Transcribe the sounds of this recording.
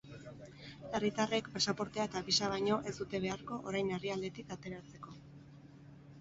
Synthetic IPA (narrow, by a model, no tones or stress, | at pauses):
e̞rit̪are̞kpasapo̞ɾt̪eaet̪apisaβajɲo̞ʔe̞sd̪ut̪e̞β̞e̞aɾko̞ʔoɾajneriald̪e̞t̪ikat̪e̞ɾat͡se̞ko̞